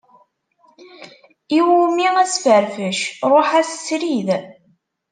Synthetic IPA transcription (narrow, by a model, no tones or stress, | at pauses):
iwumiæsfəɾfəʃɾˤoħæsə̥sɾið